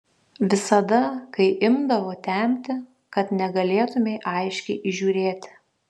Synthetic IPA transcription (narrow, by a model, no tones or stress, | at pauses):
ʋʲɪsɐd̪ɐkɐɪʔɪmd̪ɐʋoːt̪ʲɛˑmʲt̪ʲɪ | kɐt̪nʲɛɡɐlʲeːt̪ʊmʲeɪʔɐɪʃʲkʲɛɪʔɪʒʲuːɾʲeːt̪ʲ